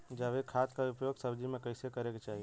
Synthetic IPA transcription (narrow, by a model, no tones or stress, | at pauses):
d͡ʒaʋekʰaːt̪kaʊpjoːɡsɐbd͡ʒimẽkɐɪsekɐɾekt͡ʃaːɦie